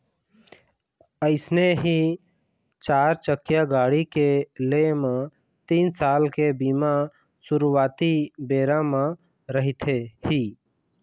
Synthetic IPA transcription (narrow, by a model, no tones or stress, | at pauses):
əɪsneɦi | t͡ʃaːɾt͡ʃəkːjaɡaːɽikelemẽ | t̪iːnsaːlkebiːma | sʊɾuwaːt̪ibeːɾãmã | ɾəɦit̪ʰehiː